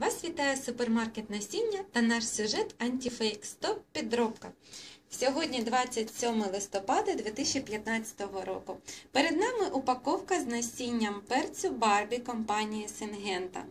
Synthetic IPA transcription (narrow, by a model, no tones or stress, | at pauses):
ʋɑsʋʲit̪ɑjɛsʊpermɑrket̪nɐsʲinʲːɐt̪ɐnɑʃsʲʊʒɛt̪ɐnʲtʲifɛjkst̪ɔppːʲid̪ɾɔpkɐsʲɔɦɔdʲnʲid̪ʋɑt͡sʲːɐtʲsʲɔmɪlˠɪst̪ɔpɑd̪ɐd̪ʲʋʲit̪isʲt͡ʃipʲjɐt̪nɑt͡sʲɐ̥t̪ɔɦɔɾɔ̰kʊpeɾed̪nɑmɪʔʊpɐkɔwkɐznɐsʲinʲːɐmpɛrt͡sʲʊbɑrbʲikɔmpɑnʲijisɪnɦɛnt̪ɐ̰